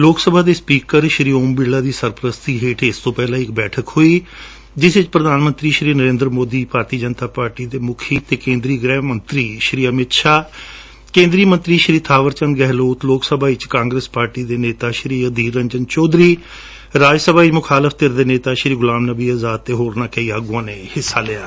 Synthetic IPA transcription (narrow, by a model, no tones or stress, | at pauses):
loːksəbʱaːd̪eːspiːkəɾʃɾiːoːmbɪɽlaːd̪iːsəɾpɾəst̪iːɦeːʈʰɪst̪õːpɛːlãːɪkbɛːʈʰəkhoːiː | d͡ʒɪsɪt͡ʃpɾəd̪aːnmənt̪ɾiːʃɾiːnəɾẽːnd̪ɾmoːd̪iːpaːɾt̪iːd͡ʒənt̪aːpaːɾʈiːd̪eːmʊkʰiːt̪eːkẽːnd̪ɾiːɡɾɛːɦmənt̪ɾiːʃɾiːəmɪt̪ʃaː | kẽːnd̪ɾiːmə̃nt̪ɾiːʃɾiːt̪ʰaːʋəɾt͡ʃənɡɛːɦloːt̪loːksəbaːɪt͡ʃkãːŋɡɾəspaːɾʈiːd̪eːneːt̪aːʃɾiːəd̪iːɾːəɲd͡ʒənt͡ʃoːd̪ɾiː | ɾaːd͡ʒsəbaːɪt͡ʃmʊkʰaːləfʰt̪ɪɾd̪eːneːt̪aːʃɾiːɡʊlaːmnəbiːaːzaːd̪̚t̪eːɦoːɾnaːkəiːaːɡʊãːneːhɪsːaːlɪjaː